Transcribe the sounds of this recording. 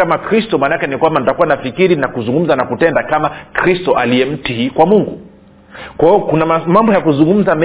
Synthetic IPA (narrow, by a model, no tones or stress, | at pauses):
amakɾistɔmanakɛnikwamban̩itakuwanafikiɾinakuzuŋɡum̩zanakutɛndakamakɾistɔʔaliɛm̩tiikwamuŋɡu | kwaɔkunamambɔjakuzuŋɡum̩zamɛ